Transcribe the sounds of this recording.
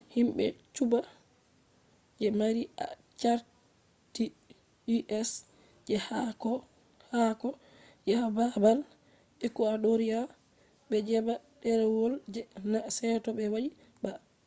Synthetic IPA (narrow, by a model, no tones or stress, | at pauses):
himɓɛ̰t͡ʃuba | d͡ʒɛmaɾiʔa̰ | t͡ʃaɾ | ti | iʔɛs | d͡ʒɛhakɔ | hakɔ | d͡ʒɛababal | ɓɛkɔaɗoɾia | bɛd͡ʒɛba | ɗɛɾɛwold͡ʒɛnasɛtɔbɛwaɗi | ba